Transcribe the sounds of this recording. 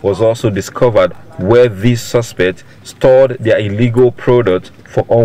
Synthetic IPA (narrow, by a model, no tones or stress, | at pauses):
wɔzɔlˠsodiskʰʌvəd̚wɛðisːʌspɛk̚t | stʰɔdðəiliɡəlˠpʰɹodək̚t | fɔʔõ